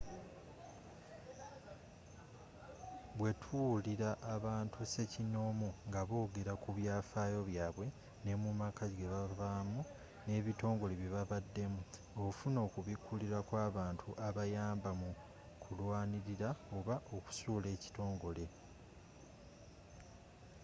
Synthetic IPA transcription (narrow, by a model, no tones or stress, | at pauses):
βwe̞tʰuliɾaʔːβaːntʰuse̞cino̞ːmoŋɡaβoːɡe̞ɾakuβjaːfaːjo̞βjaːβwe̞ | ne̞mumakazɡeβaβamu | ne̞ːβito̞ːŋɡo̞leβiβaβadːe̞mu | oufuno̞ːkuβikʰuliɾakwaːβaːntʰuʔaβajaːmbamu | kʰulwaːniɾiɾao̞βaʔoku̥suːle̞ːci̥to̞ːŋɡo̞le̞